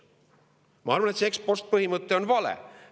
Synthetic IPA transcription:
mɑ̰ːɾmunet̪sekspost̪̚pəɦimɨt̪ːeonʋɑlɛ̰

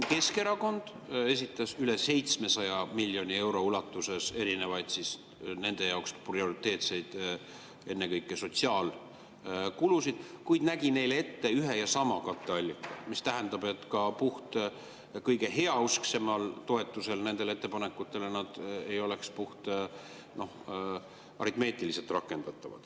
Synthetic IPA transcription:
ke̞ske̞ɾɑko̞nd̪̥ | e̞sit̪ːˑɑsyle̞se̞jt̪sme̞sɑjɑmilʲːjo̞nʲie̞wɾo̞ulɑt̪ːˑuse̞se̞ɾine̞vɑjd̪̥sis | ne̞nd̪̥e̞jɑoksprio̞ɾit̪ːe̞ːt̪se̞jd̪̥ | e̞nːe̞kɤjkːˑeso̞t̪siɑːl | kulusid̪̥kujd̪̥næɡ̥ine̞jle̞t̪ːe̞yɦe̞jɑsɑmɑkɑt̪ːˑe̞ɑlʲːikːˑɑmist̪æɦend̪ɑbe̞t̪ːˑkɑpuht̪ | kɤjɡe̞ɦe̞ɑuskse̞mɑlt̪o̞e̞t̪ːˑuse̞lne̞nd̪̥e̞le̞t̪ːe̞pɑnekːˑut̪ːˑe̞lenɑd̪̥ejo̞le̞kspuht̪ | no̞h | ɑ̰ɾit̪me̞ːt̪ˑilise̞lt̪rɑkːˑe̞nd̪̥ɑt̪ːˑɑvɑ̰d̪̥

